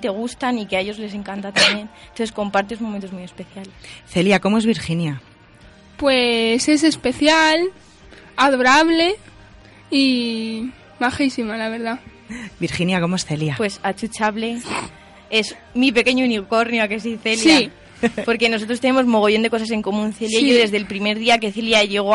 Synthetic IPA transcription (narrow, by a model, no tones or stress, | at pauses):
t̪e̞ɣ̞ust̪anikeaeʝo̞zle̞s̬e̞ŋkant̪at̪ambje̞nnt̪onθesko̞mpaɾt̪̬esmo̞ment̪o̞zmuje̞spe̞θjalesθe̞ljakomoe̞zβiɾxinja | pwese̞s̬e̞spe̞θjal | aðo̞ɾaβle̞ | i | maxisimalaβe̞ɾða | biɾxinjako̞moe̞sθeljapwe̞sat͡ʃut͡ʃaβle̞ | e̞z | mipe̞ke̞ɲouniko̞ɾnjoakes̬iθe̞ljai | po̞ɾke̞noso̞t̪ɾost̪e̞ne̞mo̞zmo̞ɣ̞o̞jʝo̞nd̪ekos̬ase̞ŋko̞mũnθeljaiʝoðe̞zðe̞lpɾime̞ɾðiake̞θeljaʝe̞ɣo